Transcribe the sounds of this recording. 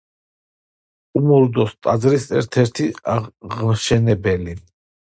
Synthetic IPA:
umuɾd̪ɔst̪ʼazɾisɛɾt̪ʰɛɾt̪ʰiaʁmʃɛnɛbɛli

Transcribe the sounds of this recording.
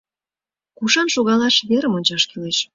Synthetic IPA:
kuʃɑnʃoɣɑlɑʃβeɾəmonʲt͡ɕɑʃkileʃ

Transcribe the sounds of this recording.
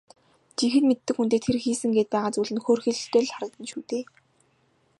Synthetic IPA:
t͡ɕixɘ̆t̪met̪ːɘ̆kxunt̪eːt̪ʰerxiːsɘ̆ŋɡeːt̪̚pæːʁaːt͡suːɮɘ̆nxoːrxĕɮɬt̪eːɮχaɾə̆k̚t̪ə̆nʃuːt̪eː

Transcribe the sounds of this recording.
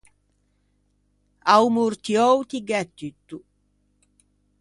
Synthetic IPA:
awmuɾt̪iɔwt̪iɡɛt̪ːyt̪ːu

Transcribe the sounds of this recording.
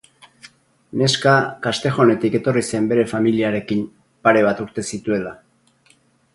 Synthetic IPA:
ne̞skakast̪e̞xo̞ne̞t̪ike̞t̪o̞rise̞mbe̞ɾe̞familiaɾe̞kim | paɾe̞β̞at̪uɾt̪e̞sit̪ue̞la

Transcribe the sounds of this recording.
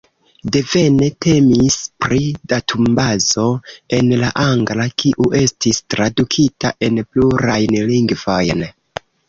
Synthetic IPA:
de̞ve̞ne̞te̞mispɾidatʰumbazo̞e̞nlaʔaŋɡlakʰiʔuʔe̞stistɾadukʰitaʔe̞npluɾajnliŋɡv̥o̞jn

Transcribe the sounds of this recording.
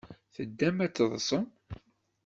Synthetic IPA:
θəd̪ːæmæt͡sːðˤsˤəm

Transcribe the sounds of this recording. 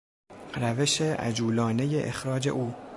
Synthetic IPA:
ɾæve̞ʃeʔæ̰d͡ʒuːlɒːne̞jeʔexɾɒːd͡ʒe̞̰ʔuː

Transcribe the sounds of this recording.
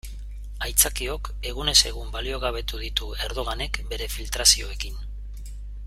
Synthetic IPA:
ajt͡sakio̞ke̞ɣune̞se̞ɣumbalio̞ɣ̞aβ̞e̞t̪uðit̪ue̞ɾðo̞ɣ̞ane̞kbe̞ɾe̞filt̪ɾasio̞e̞kin

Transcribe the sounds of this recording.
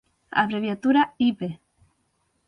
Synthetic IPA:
a̰βɾeβjat̪uɾaipe

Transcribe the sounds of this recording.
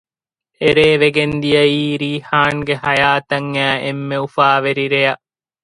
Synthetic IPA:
eɾeːʋeɡend̪ijɐiːɾiːhaːŋɡehɐjaːt̪ɐŋːæːʔḛmːeufaːʋeɾiɾejɐ

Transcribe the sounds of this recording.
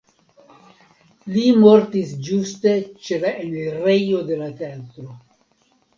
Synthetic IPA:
limo̞ɾtisd͡ʒuste̞t͡ʃe̞laʔeneɾejo̞de̞lateatɾo

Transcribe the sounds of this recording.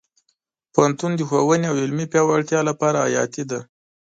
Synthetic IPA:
poant̪und̪əxowəneawɪlmipjɑwaɽt̪jɑlapɑɾaːjɑ̰t̪id̪a

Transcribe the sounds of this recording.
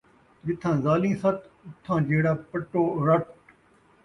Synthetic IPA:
d͡ʒɪt̪ʰːãːzaːlĩːsɐt̪ʊt̪ʰːãːd͡ʒeːɽaːpəʈːoːɾɐʈ

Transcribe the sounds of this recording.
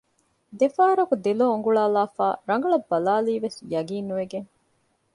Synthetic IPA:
d̪efaːɾɐkud̪eloːuŋɡuɭaːlaːfaːɾɐŋɡɐɭɐbːɐlaːliːʋesjɐɡiːnːuʋeɡeŋ

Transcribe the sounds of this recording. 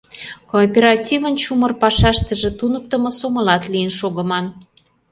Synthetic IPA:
kopʲeɾɑtʲivənt͡ɕumərpɑʃɑʃt̪ə̆ʒĕt̪unək̚t̪ə̆mŏsomə̆lɑt̪lijənʃoɣə̆mɑn

